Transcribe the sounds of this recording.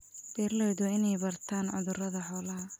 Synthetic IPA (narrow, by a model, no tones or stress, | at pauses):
b̥ɛːrlɛjðʊɪnɛjbɐrt̪ʰaːnʕʊ̰ðʊrɐðɐħɔːlɐɦɐ